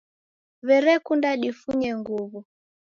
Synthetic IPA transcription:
βɛɾɛkundaɗifuɲɛŋɡuβu

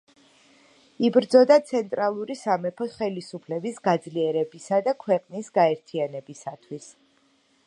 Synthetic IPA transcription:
ibɾd̪zɔd̪at̪sʰɛnt̪ʼɾalˠuɾisamɛpʰɔsχɛlisupʰlɛbisɡad̪zliɛɾɛbisad̪akʰwɛqʼnisɡaɛɾt̪ʰianɛbisat̪ʰwis

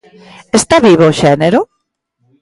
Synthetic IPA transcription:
est̪aβiβoʃɛneɾʊ

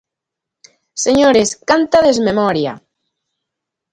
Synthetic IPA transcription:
seɲoɾeskant̪aðezmemɔɾja̰

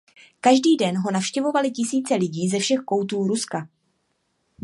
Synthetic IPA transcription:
kaʒdiːdɛnɦo̞nafʃcɛvo̞valɪcɪsiːt͡sɛlɪɟiːzɛfʃɛxko̞wt̪uːɾuska

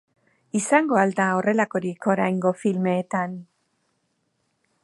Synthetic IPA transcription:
isaŋɡo̞ald̪ao̞re̞lako̞ɾiko̞ɾajŋɡo̞filmeːt̪an

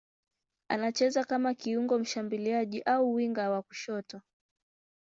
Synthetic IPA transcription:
a̰nat͡ʃɛzakamakiuŋɡɔm̩ʃambiliaʄiʔauwiŋɡawaku̥ʃɔtɔ

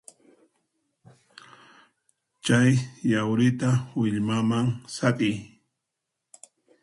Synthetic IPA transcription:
t͡ʃajjawɾɪt̪awɪʎmamaŋsaqʼɪj

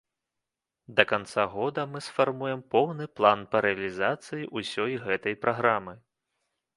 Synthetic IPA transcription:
d̪ɐkant̪saɣɔd̪ɐmɨsfarmujɛmpɔwnɨplˠanpɐɾɛɐlʲizat̪sɨjiʔusʲɔjɣɛt̪ɐjpɾʔaɣɾamɨ

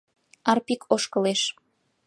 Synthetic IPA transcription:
ɑrpikʰoʃkɤ̆leʃ

